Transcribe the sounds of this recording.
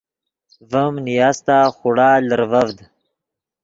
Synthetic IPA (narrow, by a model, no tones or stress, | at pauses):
vəmnijaːst̪aːxuɽaːləɾvɐvd̪